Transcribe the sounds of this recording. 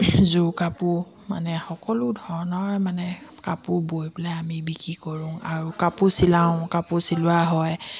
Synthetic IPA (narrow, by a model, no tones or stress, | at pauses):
zukapu | ma̰nɛxɔkɔlʊdʱɔɹɔnɔɹmanɛkapubojplaamibikikɔɹũŋaɹukapusilãʊ̃kapusilʊaɦɔj